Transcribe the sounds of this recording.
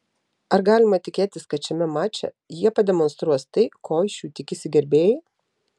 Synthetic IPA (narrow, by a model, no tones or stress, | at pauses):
ɐɾɡɑːlʲɪmɐt̪ʲɪkʲeːt̪ʲɪskɐt̪t͡ʃʲɛmʲɛmɑːt͡ʃʲɛ̰ | jiɛpɐd̪ʲɛmɔnst̪ɾuɔst̪ɐɪkʰoːʃʲuːt̪ʲɪkʲɪsʲɪɡʲɛɾʲbʲeːjɛ